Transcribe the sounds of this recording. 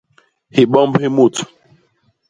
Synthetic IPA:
hi˨ɓɔ̃˦mbhe˦mu˦˨t

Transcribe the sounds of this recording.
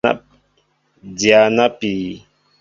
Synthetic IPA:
a̰˦ | dja˨na˦pi˨

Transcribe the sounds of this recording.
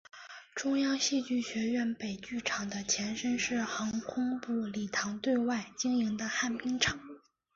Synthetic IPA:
ʈ͡ʂʊ˥ŋjɑ˥ŋɕi˥˧t͡ɕy˥˩ɕɥɛ˧˥ɥɛ˥˩npe˨˩ɪt͡ɕy˥˩ʈ͡ʂʰɑ˨˩ŋd̪ə˦t͡ɕʰjɛ˧˥nʂə˥nʂɻ̩˥˩xɑ˧˥ŋkʰʊ˥ŋpu˥˩li˨˩t̪ʰɑ˧˥ŋt̪we˥˧ɪwa˥˩ɪt͡ɕi˥ŋi˧˥ŋd̪ə˧xa˥˩npi˥ŋʈ͡ʂʰɑ˨˩˦ŋ

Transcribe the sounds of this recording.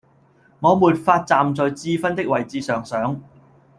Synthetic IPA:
ŋɔː˨˧muː˨t̚faː˧t̚t͡saː˨˩mt͡sɔː˨jt͡siː˧fɐ˥nt̪ɪ˥k̚wɐ˨jt͡siː˨˧sœː˨˩ŋsœː˨˥ŋ

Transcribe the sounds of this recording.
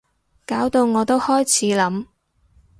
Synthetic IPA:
kaː˨˥wt̪o˧wŋɔː˨˧t̪o˥whɔː˥jt͡sʰiː˨˥lɐ˨˧˥m

